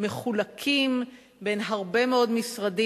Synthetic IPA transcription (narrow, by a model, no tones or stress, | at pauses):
me̞χulakʰim | benɦaʁbe̞meo̞dmisʁadi